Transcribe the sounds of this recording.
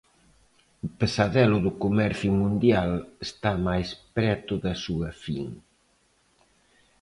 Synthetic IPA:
upəsaðɛlʊðʊkumɛɾθjumũnd̪jalest̪amajspɾɛt̪ʊðɐsuɐfiŋ

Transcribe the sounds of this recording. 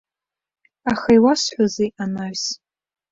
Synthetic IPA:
aχajwasħʷazeʔanaɥs

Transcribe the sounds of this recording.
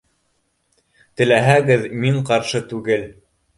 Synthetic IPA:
t̪ɘ̆læɦæɡɘðmiɴqɑɾʃɤt̪ʉɡɘl

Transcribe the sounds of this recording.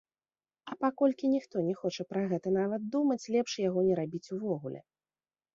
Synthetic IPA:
ɐpakɔlʲkʲinʲixt̪ɔnʲɛxɔt͡ʂɐpɾaɣɛt̪ɐn̪avɐd̪̚d̪umɐt͡sʲlʲɛpʂjaɣɔnʲɛɾabʲit͡sʲuvɔɣulʲɛ̰

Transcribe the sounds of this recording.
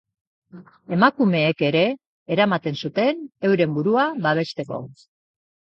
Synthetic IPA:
e̞makume̞ːke̞ɾe̞ː | ɾamat̪e̞nsut̪e̞ne̞wɾe̞mbuɾuaβaβ̞e̞st̪e̞ko̞̰

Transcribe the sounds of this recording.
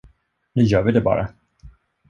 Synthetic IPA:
nʉ̟ːjœːɾvɪd̪ɛbɑ̰ːɾa

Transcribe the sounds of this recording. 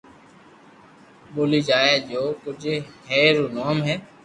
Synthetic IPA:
ɓoːliːd͡ʒaːeːd͡ʒoːkʊd͡ʒheːɾuːnoːmɦɛː

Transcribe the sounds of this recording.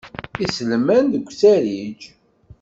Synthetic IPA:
isləmænðəɡʷːsæɾid͡ʒ

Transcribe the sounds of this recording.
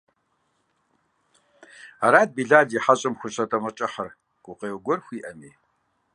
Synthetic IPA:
aɾaːd̚biːɮaːdiħaɕʼɪmxʷʊɕʼɐtʼɐmɐt͡ʃʼɐħɐr | ɡ̥ʷʊqeːwɡʷɔrxʷiːʔɐmiː

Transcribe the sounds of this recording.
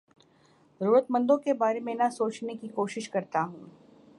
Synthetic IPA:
zəɾuːɾət̪mɐ̃nd̪õkebaːɾemẽnasoːt͡ʃnekikoːʃɪʃkɐɾt̪aɦũː

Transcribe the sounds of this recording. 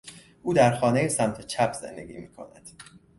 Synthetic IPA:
ʔuːd̪æɾxɒːne̞jesæmt̪ʰet͡ʃʰæpʰz̥ḛnd̪e̞̰ɡʲḭːmiːkʰo̞̰næ̰d̪̥

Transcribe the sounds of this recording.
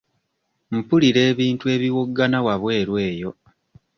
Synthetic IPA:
m̩puliɾe̞ːβiːntue̞βiwoɡːanawaβwe̞ːɾwe̞ːjo̞

